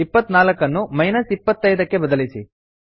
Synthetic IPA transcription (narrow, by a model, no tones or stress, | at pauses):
ipːɐt̪ːnaːlɐkːɐnːumɐjnɐsipːɐt̪ːɐjd̪ɐkːe̞bɐd̪ɐlisi